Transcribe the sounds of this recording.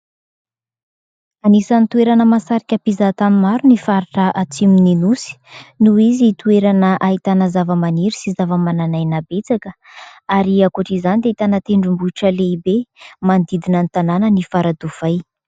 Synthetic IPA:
anisant̪ueɾanəmasaɾikʲəpizat̪amimaɾunifaɾiʈ͡ʂəʔat͡simininusi̥nuizit̪ueɾanəʔaɦit̪anəzavəmaniɾisizavəmananajnabet͡sakə | aɾiakuʈ͡ʂizanid̪eit̪anat̪eɳɖ͡ʐumbuʈ͡ʂəleibemand̪id̪inant̪ananənifaɾad̪uv̥aj

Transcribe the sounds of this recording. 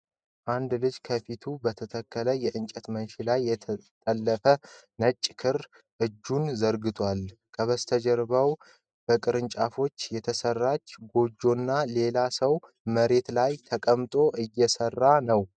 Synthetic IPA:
ʔand̪lɨd͡ʒkʰəfit̪ʰubət̪ʰət̪ʰəkːələjɛʔɨnt͡ʃʼət̪mənʃilajːɛt̪ʼəlːəfə | nət͡ʃʼːkʰɨɾ | ʔɨd͡ʒːunzəɾɡɨt̪ʰwalkʰəβəst̪ʰəd͡ʒɛɾbaw | b̥əkʼɨɾɨnt͡ʃʼafo̞t͡ʃːjɛt̪ʰəsərːat͡ʃːɡo̞d͡ʒo̞nːale̞lasəw | məɾe̞t̪lajt̪ʰəkʼəmt̪ʼo̞ʔɨjːɛsərːanəw

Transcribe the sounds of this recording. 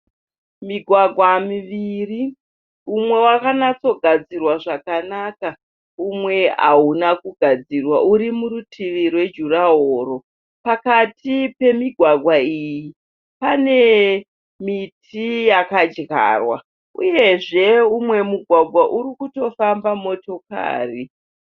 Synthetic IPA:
miɡʱwaɡʱwamiʋiri | umwe̞wakanat͡so̞ɡʱad͡zirwaʐakanaka | umwe̞a̰unakuɡʱad͡zirwaʔuɾimuɾutʰiʋirwe̞d͡ʒuraɦoːɾo̞ | pakatipe̞miɡʱwaɡʱwaiji | pane̞ | mitijakad͡ʒɣa̰rwa̰ | ṵje̞ʐe̞umwe̞muɡʱwaɡʱwaʔurikuto̞fambamo̞to̞ka̰ːri

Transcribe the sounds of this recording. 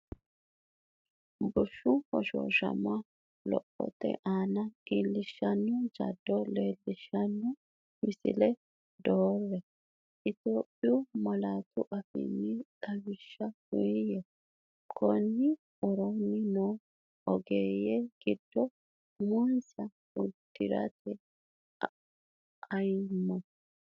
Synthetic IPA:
bʊʃʊhɔʃo̰ːʃɐ̰ma | lɔ̰ʔɔ̰t̪ːɛ̰ʔaːnɐiːlːɪʃːɐnːʊd͡ʒɐ̰d̪ːɔleːlːɪʃːɐnːʊ | mɪsɪ̰lɛ | d̪oːrːɛ | ʔɪt̪oːpʼːɪjʊmɐlaːt̪ʊʔɐfɪ̰nːɪᶑɐwɪʃːɐhʊjjɛ | kʰɔnːɪ | ʔɔɾɔnːɪnoː | ɔɡeːjɛɡ̥ɪd̪̥ːɔ | mɔnsɐ | ʊd̪ːɪ̰ɾɐ̰t̪ʰɛ | ɐjmːɔ

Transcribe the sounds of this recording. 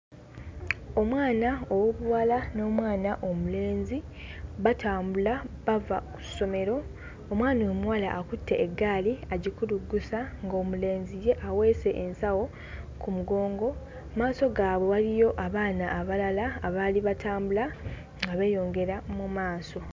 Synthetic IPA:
o̞mwaːnaowoβuwalano̞ːmwaːnaʔo̞mule̞ːnzi | βataːmbulaβavaku̥so̞me̞ɾo̞ː | mwaːnomuwala̰ʔːkutʰːe̞ʔːɡːaːliaɟikuluɡːusaŋɡo̞muleːnzije̞ʔawe̞ːse̞ʔensawo̞ | kumuɡo̞ːŋɡo̞ | maːso̞ɡaːβwe̞walijo̞ʔaβaːnaːβalalaːβaliβatʰaːmbula | ŋɡaβe̞jo̞ːŋɡe̞ɾamumaːso̞

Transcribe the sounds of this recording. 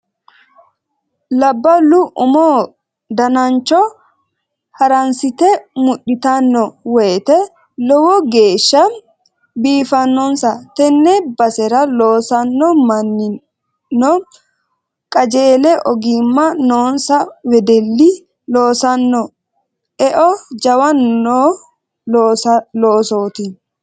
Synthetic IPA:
lɐbːɐlʊʔʊmoː | d̪ɐnɐnt͡ʃːɔ | hɐɾɐnsɪt̪ɛmʊɗːɪt̪ɐnːɔwɛjt̪ɛ | lɔwɔɡe̞ːʃːɐ | biːfɐnːɔnsɐt̪ɛnːɛbɐsɛɾɐloːsɐnːɔmɐnːɪ | nːɔ | kʼɐd͡ʒeːlɛʔɔɡimːɐnoːnsɐwɛd̪ɛlːi | loːsɐnːɔ | ɛʔɔd͡ʒɐwɐnːo | loːsoːt̪i

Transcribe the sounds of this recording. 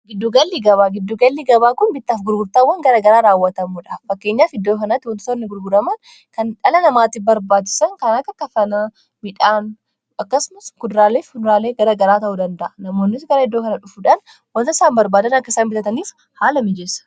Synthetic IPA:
ɡɪd̪ːuːɡɐlːiɡɐβaːɡɪd̪ːuːɡɐlːiːɡɐbaːkʊnbɪt̪ːaːfɡʊɾɡʊɾt̪ɐwːɐŋɡɐɾɐɡɐɾaːɾaːwːɐt̪ɐmuːᶑɐffɐkːe̞ːɲːaːfhɪd̪ːoːkɐnɐt̪ːɪwɐnt̪sɔɾnɪɡʊɾɡʊɾɐmɐn | kɐnᶑɐlɐnɐmaːt̪ɪbɐɾbaːt̪ːɪ̥sɐŋkɐnɐkːɐkːɐfɐna | mɪᶑaːn | ʔɐkːɐsʊmɐskʊd̪ɾaːleːfkʊd̪ɾaːleːɡɐɾɐɡɐɾaːt̪ɐʔuːd̪ɐnd̪ɐʔɐnɐmo̞ːnːɪsɡɐɾɐhɪd̪ːoːkɐnɐᶑʊfuᶑɐn | wɐnt̪ɐsaːmbɐɾbaːd̪ɐnɐkːɐsaːnbɪt̪ɐt̪ɐniːf | haːlɐmɪd͡ʒɛsɐ̥

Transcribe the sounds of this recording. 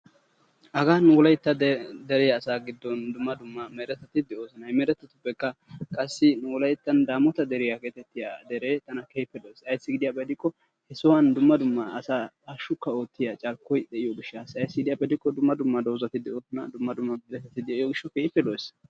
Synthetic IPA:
ʔɐɡaːnʊlɐjt̪ːɐd̪ɛɾɛjɐːsaːɡɪd̪ːɔnd̪ʊmːɐd̪ʊmːɐmɛɾɛt̪ːɐt̪ɪd̪ɛo̞ːsɔnɐjmɛɾɛt̪ːɐt̪ːʊpːɛkːɐkʼɐsːɪnuwlɐjt̪ːɐnd̪aːmɔt̪ɐd̪ɛɾɪjakeːt̪ɛt̪ːɪja̰d̪ɛɾeːt̪ɐnɐkeːpːɛlojsɐjsːɪɡɪd̪ɪjapɛd̪ɪkːɔ | hɛsɔwɐnd̪ʊmːɐd̪ʊmːɐɐsaː | ɐʃːʊkːɐo̞ːt̪ːɪjat͡ʃʼɐɾkːɔjd̪ɛʔɪjɔɡɪʃːaːsɐjsːɪɡɪd̪ɪjapɛd̪ɪkːɔd̪ʊmːɐd̪ʊmːɐd̪o̞ːzɐt̪ɪd̪ɛoːsɔnɐd̪ʊmːɐd̪ʊmːɐbd̪ɛt̪ːɛt̪ːɪd̪ɛɪjoɡɪʃːɔkeːpːɛlojs

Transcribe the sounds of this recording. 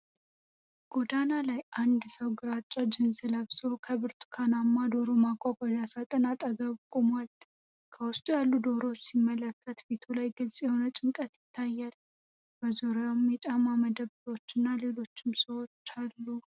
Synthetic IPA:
ɡ̥o̞d̪analajand̪səwɡɨɾat͡ʃʼːad͡ʒɪnzɨləβso̞kʰəβɨɾt̪ʰu̥kʰanamːad̪o̞ɾomakʼakʼɔdasat̪ʼənat̪ʼəɡəβkʼomalt̪ | kʰəwʊst̪ʼujalːud̪o̞ɾo̞t͡ʃːsimːələkːət̪bet̪ʰulajɡɨlsʼjɛho̞nət͡ʃʼɪŋkʼət̪jɪt̪ʰːajːal | bəzoɾamjɛt͡ʃʼamaməd̪əβɾo̞t͡ʃːɪnːale̞lo̞t͡ʃːɪmsəwo̞t͡ʃːalːu

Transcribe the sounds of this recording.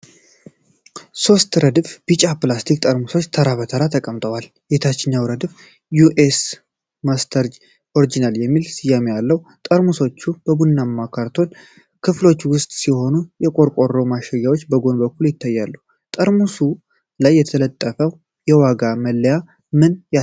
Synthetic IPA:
so̞st̪ɾəd̪fb̥it͡ʃʼaplast̪ʰik̚t̪ʼəɾmuso̞t͡ʃːt̪ʰəɾaβət̪ʰəɾat̪ʰəkʼəmt̪ʼəwal | jet̪ʰat͡ʃːɪɲːawɾəd̪ɨf | juʔes | mast̪ʰəɾd͡ʒ | ʔo̞ɾid͡ʒinaljɛmːilsijamejalːəht̪ʼəɾmuso̞t͡ʃːub̥əbunːamːakʰaɾt̪ʰo̞n | kʰɨflo̞t͡ʃːwʊst̪ʼsiho̞nujɛkʼo̞ɾkʼo̞rowmaʃɛjːawo̞t͡ʃːbəɡo̞nbəkʰːuljɪt̪ːajːalːu | t̪ʼəɾmusu | lajːɛt̪ʰələt̪ʼːəfəw | jɛwaɡaməlːəja | mɨnja

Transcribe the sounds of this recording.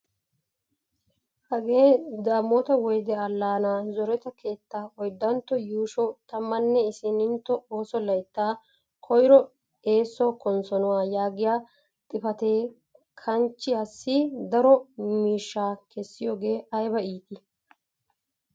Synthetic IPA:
hɐɡe̞ːd̪aːmɔt̪ɐwɔjd̪ɛɐlːaːnaːzɔɾɛt̪ɐkʰe̞ːt̪ːaːɔjd̪ːɐnt̪ːɔjuːʃɔt̪ɐmːɐnːɛɪsɪnɪnt̪ːɔoːsɔlɐjt̪ːaː | kʰɔjɾɔ | e̞ːsːɔkɔnsɔnʊwaːjaːɡɪjaː | t̪ʼɪfɐt̪e̞ː | kʰɐnt͡ʃːɪhɐsːid̪ɐɾɔmiːʃːaːkʰɛsːɪjoːɡe̞ːɐjbɐiːt̪ʼɪ

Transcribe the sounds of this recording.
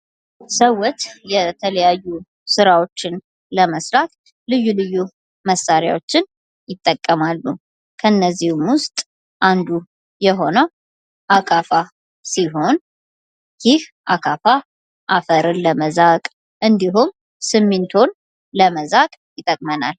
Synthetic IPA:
səwːɔt͡ʃjɛt̪ʰələjajːu | sɨɾawo̞t͡ʃːɪn | ləməsɾak̪ | lɨjːulɨjːu | məsaɾja̰wo̞t͡ʃːɪn | jɪt̪ʼːəkʼːəmalːu | kʰəɨnːəzːihmwʊst̪ʼ | ʔand̪u | jɛɦo̞nəw | ʔakʼafa | siɦo̞n | jɪhʔakʰʼafa | ʔafəɾɨnləməzakʼ | ʔɨnd̪iɦum | sɨmːɪnt̪ʰo̞n | ləməzakʼjɪt̪ʼːəkʼməna̰l

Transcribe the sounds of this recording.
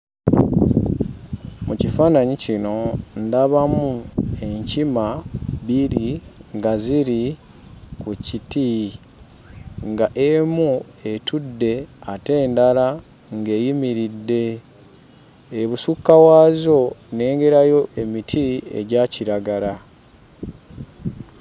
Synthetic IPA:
mucifaːnaɲicino̞ndaβamue̞ɲcimaβiɾiŋɡaziɾi | kuciti | ŋɡaʔemu | etʰudːe̞ate̞ːndala | ŋɡe̞ːjimiɾidːe̞ | βusukːawaːzo̞ne̞ːŋɡe̞ɾajo̞ʔe̞mitʰiḛɟaciɾaɡala

